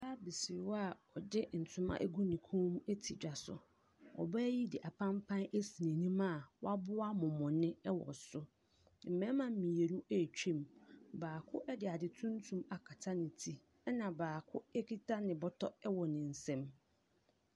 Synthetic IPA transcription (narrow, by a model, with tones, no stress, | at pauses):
saː˦bi˨si˨wa˨ɔ˨dɪ˦n̩˨tʰʊ̃˦mã̰˦ʔɡu˦nĩ˨kʰɔ̃˦mũ˦ʔe˦tʰi˨d͡ʑᶣa˨sʊ̰˨ | ɔ̰˨baː˦ji˦dɪ˨ʔa˨pʰã˦mpʰã˦næ˦si˨nẽ˨nĩ˦mã˦˨wa˦bʊ˦a˦mʊ̃˨mʊ̃˨nɪ̃˦ɛ˦wɔ̰˨sʊ˦ | m̩˨mɛ̃˦mã˨m̩˨mĩ˨je˨nũ˦ʔæ˦˨t͡ɕᶣĩ˦˨mbaː˨kʰʊ˦ʔɛ˦dɪ˨a˨dɪ˨tʰũ˦n˦tʰũ˦ma˨kʰa˨tʰa˦nɪ̃˨tʰi˦ | ɛ˦nã˨baː˨kʰʊ˦ɛ˦kʰi˦tʰa˦nɪ̃˨bɔ˦tʰɔ˦ɛ˦wɔ˨nɪ̃˨n̩˨sɛ̃˦m